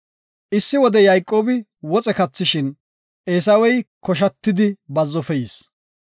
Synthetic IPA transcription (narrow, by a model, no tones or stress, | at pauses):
ʔɪsːɪwɔd̪ɛjajkʼːo̞ːbɪ | wɔt͡sʼɛkɐt͡sːɪʃɪn | ʔeːs̬ɐwɛjkɔʃ̬ɐt̪ːɪd̪ɪbɐzːɔfɛjɪs